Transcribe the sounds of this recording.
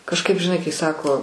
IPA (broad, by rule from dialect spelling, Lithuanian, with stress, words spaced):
kɐʃˈkɐɪp ʒʲɪˈnɐɪ kɐɪ ˈsɑːkoː